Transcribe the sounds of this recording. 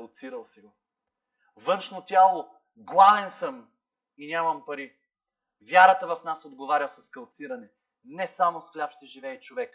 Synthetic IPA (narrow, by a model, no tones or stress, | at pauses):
lˠt̪siɾəlˠsiɡo | vɤnʃnot̪ʲjalˠo | ɡlˠavɛnsəm | inʲamɐmpɐɾi | vʲjaɾət̪əvɐfnasod̪ɡovaɾʲəsɐskɐlˠt̪siɾɐnɛ | nɛsamosklʲapʃt̪ɛʒivɛit͡ʃovɛk